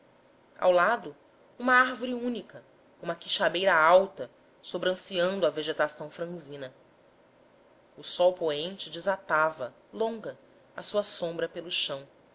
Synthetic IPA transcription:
a̰wlad̪ʊ | ũmɐaɾvoɾiũnikɐ | ũmɐkiʃabejɾɐawt̪ɐ | sobɾɐ̃siɐ̃nd̪ʊɐveʒet̪asɐ̃w̃fɾɐ̃zĩnɐ | ʊsɔwpoẽnt͡ʃɪd͡ʒɪzat̪avɐ | lõŋɡɐ | ɐsuɐsõmbɾɐpelʊʃɐ̃w̃

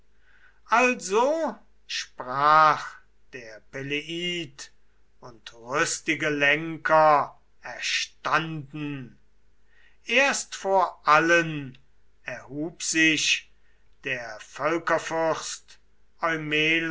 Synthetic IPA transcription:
ʔalzo | ʃpʁaːχ | d̥eːɐpeleʔiːt | ʊntʁʏstɪɡəlɛŋkʰɐ | ɛɐʃtandn̩ | ʔeːɐstfoːɐʔalən | ɛɐhuːpz̥ɪʃ | d̥eːɐfœlkɐfʏst | ɔʏmeːl

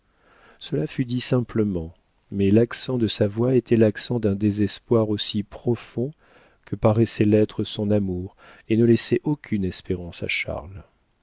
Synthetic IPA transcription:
səlafyd̪isɛ̃pləmɑ̃ | mɛlaksɑ̃d̪əsavwaet̪ɛlaksɑ̃d̪ɛ̃d̪ezɛspwaʁosipχɔfɔ̃ | kʰəpaʁɛsɛlɛt̪χəsɔ̃namuʁ | enəlɛsɛʔokʲʰynɛspeʁɑ̃sa̰ʃa̰ʁl

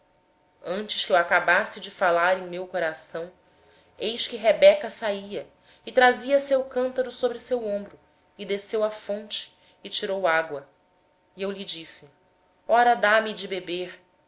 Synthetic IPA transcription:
ɐ̃nt͡ʃɪʃkʲɪewakabasɪd͡ʒɪfalaɾẽŋ̃mewkoɾasɐ̃w̃ | ejʃkɪɦebɛkɐsaiɐ | ɪt̪ɾaziɐsewkɐ̃nt̪ɐɾʊsobɾɪsewõmbɾʊ | ɪd̪esewɐfõnt͡ʃɪ̥ː | t͡ʃiɾowaɡwɐ | iewʎid͡ʒisɪ | ɔɾɐd̪amid͡ʒɪbebeɾ

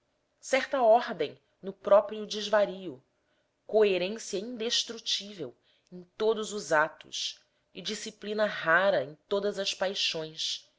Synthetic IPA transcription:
sɛχt̪ɐɔɾd̪ẽj̃ | nʊpɾɔpɾiʊd͡ʒizvaɾiʊ | koeɾẽsiɐĩnd̪eʃt̪ɾut͡ʃivew | ẽj̃t̪od̪ʊzʊzat̪ʊ̰s | ɪd͡ʒisiplinɐɦaɾɐẽj̃t̪od̪ɐzɐspajʃõj̃s

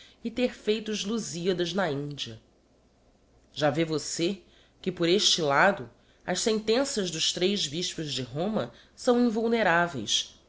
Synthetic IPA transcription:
ɪt̪eɾfejt̪ʊʒluziɐd̪ɐznɐĩnd͡ʒiɐ | ʒavevose | kɪpʊɾeʃt͡ʃɪlad̪ʊ | ɐʃsẽnt̪ẽsɐʒd̪ʊʃt̪ɾejʒbiʃpʊzd͡ʒɪɦõmɐ | sɐ̃w̃ĩvuwneɾavḛjs

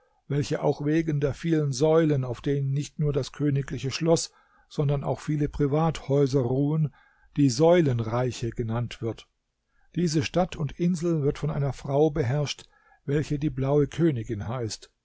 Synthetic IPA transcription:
vɛlçəʔa̰ʊxveːɡən̩deːɐfiːlənzɔʏlənaʊfd̥eːnənːɪçtnuːɐdaskʰøːnɪklɪçəʃlɔs | z̥ɔndɐna̰ʊxfiːləpʁ̥ivaːthɔʏzɐʁuːən | d̥iːzɔʏlənʁaɪçəɡənantv̥ɪɐt | d̥iːzəʃtatʰʊntʔɪnzl̩vɪɐtfɔnʔa̰ɪnɐfʁ̥aʊbəɦɛɐʃt | vɛlçədiːblaʊəkʰøːnɪɡɪnhaɪst

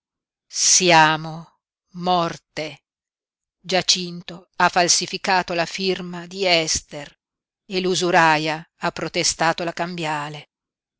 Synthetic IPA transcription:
sjaːmo | mɔrt̪e | d͡ʒat͡ʃint̪oafalsifikaːt̪olafirmad̪iɛst̪er | eluzuɾajaapːɾot̪est̪aːt̪olakambjaːle

